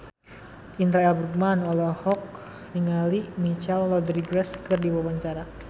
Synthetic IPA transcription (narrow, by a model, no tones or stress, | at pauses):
int̪ɾaɛlbɾuk̚manɔlɔhɔk̚ | niŋalimit͡ʃɛlːɔd̪ɾiɡɾɛskɨrdiwawaɲt͡ʃaɾa